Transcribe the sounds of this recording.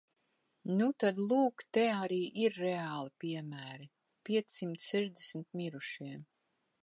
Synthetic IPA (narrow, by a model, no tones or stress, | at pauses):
nut̪ad̪lˠuːkt̪ɛaɾiːʔiɾːeaːlˠipʲiɛmæːɾi | pʲiɛt̪sːimt̪ssɛʒd̪esmt̪mʲiɾuʃiɛm